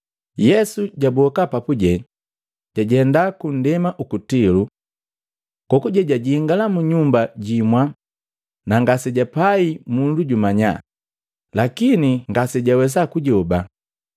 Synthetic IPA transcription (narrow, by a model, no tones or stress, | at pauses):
jɛsuɟabɔkapapuɟɛ | ɟ̥aɟɛndakun̩dɛmaʔukutilu | kɔkuɟɛɟaɟiŋɡalamuɲumbaɟimwa | naŋɡasɛɟapaimunduɟumaɲa̰ | lakiniŋɡasɛɟawɛs̬akuɟɔba